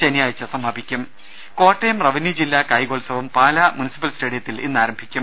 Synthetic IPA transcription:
t͡ɕenjaːjɐt͡ɕːɐsɐmːaːbʱikʲːum | ko̞ːʈːejɐmrɐʋinjid͡ʑilːɐkɐjɡoːlsɐʋɐmpaːlɐmunisi̥pɐlsʈeːɽijɐt̪ːilḭnːaːɾɐmbʱikʲːum

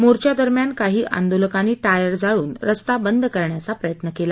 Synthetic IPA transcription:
moɾt͡ɕjad̪əɾmjankaɦiːʔa̰nd̪oləkaniːʈajəɾd͡zaɭuːnɾəst̪abənd̪ʱkəɾɳjat͡sapɾəjət̪nəkela

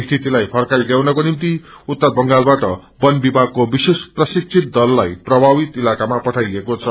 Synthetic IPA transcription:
st̪ʰit̪ilajpʰʌrkajɡ̪jawnʌkonimt̪iut̪ːʌbʌŋɡalbaʈʌbʌnbibʱaɡ̚kobisesprʌsik̚t͡sʰit̪̚d̪ʌlːajprʌbʱabit̪ilakamapʌʈʰajekot͡sʰʌ

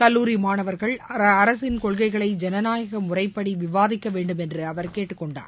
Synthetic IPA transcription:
kɐlːuːɾimaːɳɐʋɐɾɣɐɭɐɾɐsɪnkɔɭɣɐɪɣɐɭɐɪd͡ʒɛnɐnaːjɐɣɐmʊrɐɪpːɐɽiʋɪʋaːðɪkːɐʋeːɳɖɯmɛndrɯɐʋɐɾkeːʈːɯkːɔɳɖa̰ːɾ

